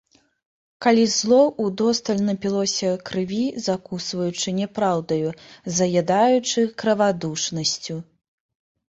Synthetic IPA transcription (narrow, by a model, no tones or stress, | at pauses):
kalʲizlˠɔʔud̪ɔst̪ɐlʲnɐpʲilˠɔsʲɐkɾɨvʲizakusvɐjut͡ʂɨnʲɛpɾawd̪ɐjuzɐɣʲad̪ajut͡ʂɨkɾɐvad̪uʂnɐsʲt͡sʲu